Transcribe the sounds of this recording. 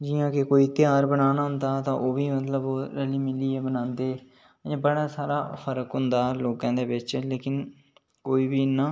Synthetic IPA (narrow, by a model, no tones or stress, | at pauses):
d͡ʒɪjãːkekoːiːt̪ɪjaːɾbənaːnaːɦʊ̃nd̪aːt̪ãːʔoːʋiːmət̪ləboːɾəliːmɪliːeːbənãːnd̪ẽː | bəɽaːsaːɾaːpʰəɾəkɦʊnd̪aːloːkãːd̪eːbɪt͡ʃleːkɪn | koːiːbiːnãː